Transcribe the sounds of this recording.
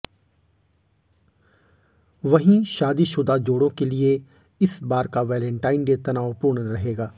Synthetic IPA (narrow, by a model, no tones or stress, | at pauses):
ʋɐɦĩʃaːd̪iʃʊd̪ʱad͡ʒoːɽõkelie | ɪsbaːɾkaʋɛːlə̃ɳʈaːɪnɖeːt̪ɐnaːʋpʊːɾɳ̃ɾɐɦeːɡaː